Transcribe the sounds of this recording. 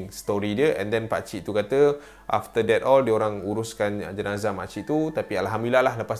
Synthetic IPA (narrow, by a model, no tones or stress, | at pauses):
ŋst̪ɔɾidiəʔɛ̰̃ndɛnpa̰t͡ʃiʔt̪ukat̪ə | ʔa̰ft̪ədɛt̪ɔldioɾaŋuɾuskand͡ʒənazama̰ʔt͡ʃiʔt̪ut̪apialɦamilalahləpas